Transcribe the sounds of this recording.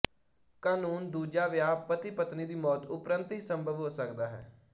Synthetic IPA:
kaːnuːnd̪uːd͡ʒaːʋɪjaːpət̪iːpət̪niːd̪iːmɔːt̪ʊpɾənt̪ɦiːsəmbʱəʋɦoːsəkd̪aːɦɛ̰ː

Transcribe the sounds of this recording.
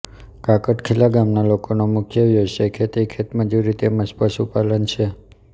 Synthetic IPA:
kakəʈkʰelaɡamnalokonomʊkʰjəʋjod͡ʒʃekʰet̪ekʰet̪məd͡ʒuɾit̪eməspəʃupalənt͡ʃʰe

